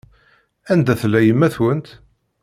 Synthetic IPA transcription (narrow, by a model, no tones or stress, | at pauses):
ænd̪æθlːæjəmːæθwənt̪